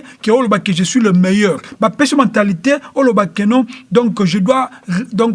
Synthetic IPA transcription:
keolobakeʒesɥiləmejœʁbapɛʃemɑ̃t̪aliteolobakenɔ̃d̪ɔ̃kʒədwad̪ɔ̃k

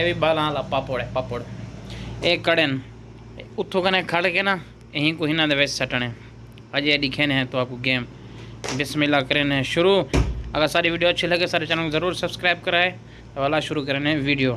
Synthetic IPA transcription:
eːbiɓaːlãːlapaːpoɽpaːpoːɽ | eːkəɽen | ʊt̪ʰoːkənẽkʰəɽkenãː | ɦĩːkoɦɪnãːd̪eʋeːssəʈəɽ̃ɦẽː | ɐʄeɗɪkʰeːnɦɛ̃ːt̪oaːkuɡeːm | bɪsmɪlakəɾenɦɛ̃ʃʊɾuːɐɡəɾsaːɗiʋiːɖijoːt͡ʃʰiləɡesaːɗet͡ʃaːnõkzɐɾuːɾsɐbskɾaːɪb̚kəɾaːɦeː | t̪ɐʋəlaːʃʊɾuk̬əɾenɦɛ̃ʋiːɖijoː

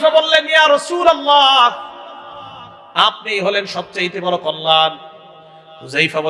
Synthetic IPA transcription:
fabolːenjaːɾɔsuːlalːa | ap̚nijɦolenʃɔb̚t͡ɕajit̪ebɔɾokɔlːan | uzajfabo

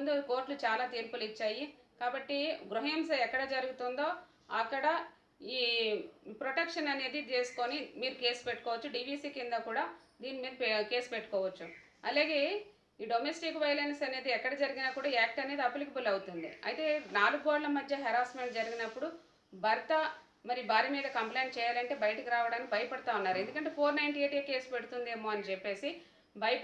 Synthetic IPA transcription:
und̪uko̞ːɾʈlut͡ʃaːlaːt̪iːɾpulit͡ʃːaːjikaːbɐʈːiɡɾuɦemsɛkːɐɽɐd͡ʒɐɾuɡut̪und̪o̞ː | ɐkːɐɽɐ | iː | pɾoʈɐkʂɐnɐne̞ːd̪it͡ʃe̞ːsu̥konimiːɾuke̞ːspeʈːu̥kɔːʋɐt͡ʃːuɖiːʋiːsiːkind̪aːkuːɽaː | d̪iːnːimiːɾuke̞ːspeʈːu̥kɔːʋɐt͡ʃːu | ɐlaːɡe̞ː | iːɖomesʈikʋɐjlɐnsɐne̞ːd̪iɛkːɐɽɐd͡ʒɐɾiɡinaːkuːɽaːaːk̚ʈɐne̞ːd̪iɐpːulikibulɐwut̪und̪ḭɐ̰jt̪e̞ːnaːluɡoɖlɐmɐd̪ʱjɐɦɛɾaːsmeɳʈd͡ʒɐɾiɡinɐpːuɽu | bʱɐɾɐt̪ɐ | mɐɾibaːɾimiːd̪ɐkɐmplɐjnʈt͡ʃɛːjaːlɐɳʈe̞ːbɐjɐʈɐkiɾaːʋɐɽaːnikibɐjɐpɐɽit̪aːunːaːɾuend̪ukɐɳʈ̬e̞ːpʰoːɾnɐjɳʈieːʈeke̞ːsu̥pe̞ɽut̪und̪eːmo̞ːɐnit͡ʃepːe̞ːsi | bɐjɐp

